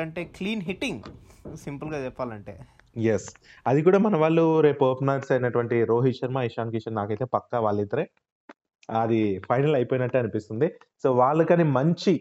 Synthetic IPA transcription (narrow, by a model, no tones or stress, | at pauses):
ɐɳʈeːkliːnɦiʈːiŋɡsimpulɡaːt͡ʃɛpːaːlɐɳʈḛː | jesɐd̪ik̬uːɽaːmɐnɐʋaːɭːuɾe̞ːpoːpnaːɾsɐjinɐʈuʋɐɳʈiɾo̞ːɦiʃɐɾmaːiʃaːŋkiʃɐnnaːkɐjt̪eːpɐkːaːʋaːɭːit̪ːɐɾe | ɐd̪ipʰɐjnɐlɐjpoːjinɐʈːuɐnipist̪und̪i | so̞ːʋaːɭːɐkɐnimɐɲt͡ʃi